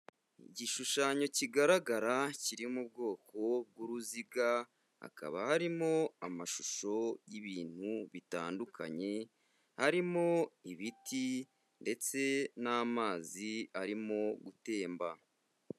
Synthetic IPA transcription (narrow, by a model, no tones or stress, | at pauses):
iɟiʃuʃaɲo̞ciɡaɾaɡaɾaciɾimub̚ɡo̞ːko̞b̚ɡuɾuziɡa | ha̰ka̰βa̰haɾimo̞amaʃu̥ʃo̞jiβiːn̥huβita̰ːndukʰa̰ɲe̞ | haɾimo̞iβiti | nde̞t͡se̞naːmaːziaɾimo̞ɡute̞ːmba